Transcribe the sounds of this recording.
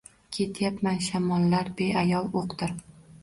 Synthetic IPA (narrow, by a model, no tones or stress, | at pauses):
kʲʰe̞t̪ʰjapmanʃamɒlˠːaɾbe̞ʔajɒlˠoqt̪ɪɾ